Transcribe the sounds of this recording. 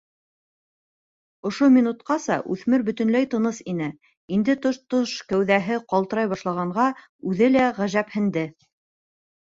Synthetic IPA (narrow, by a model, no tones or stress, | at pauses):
ŏʃomʲinut̪̚qɑsɑʔʉθmɘɾbɵ̆t̪ɵ̆nlæjt̪ɤ̆nɤsinɘ | ind̪ɘt̪oʃt̪oʃkæwðæɦɘqɑlˠt̪ɤ̆ɾɑjβɑʃlˠɑʁɑɴʁɑ | ʉðɘlæʁæʒæphɘ̆nd̪ɘ